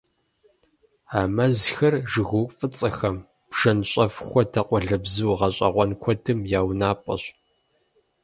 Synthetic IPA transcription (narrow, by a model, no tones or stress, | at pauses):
aːmɐzxɐrʒɨɣuːfʼɨt͡sʼɐxɐm | b̥ʒ̥ɐnɕʼɐfxʷɔtʰɐqʷʼɔɮɐbzɨːʁɐɕʼɐ̰ʁʷɔnkʷʰɔdʰɨmjaːwnaːpʼɐ̰ɕ